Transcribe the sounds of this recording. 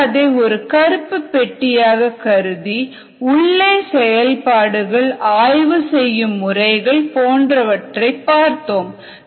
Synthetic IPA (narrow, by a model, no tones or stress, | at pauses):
ðeːɔɾɯkɐɾɯpːɯpːɛʈːɪjaːɣɐkɐɾɯði | ʊɭːeːsɛjɐlpaːɽɯɣɐɭaːjʋɯsɛjːɯmːʊrɐɪɣɐɭpoːndrɐʋɐʈrɐɪpːaːɾt̪oːm